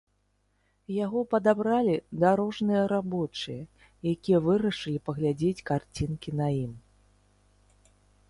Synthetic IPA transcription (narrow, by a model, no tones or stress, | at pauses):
jaɣɔpɐd̪abɾalʲid̪aɾɔʐnɨjɐɾabɔt͡ʂɨjɐ | jakʲijɐvɨɾɐʂɨlʲipɐɣlʲad͡zʲet͡sʲkart͡sʲinkʲinajim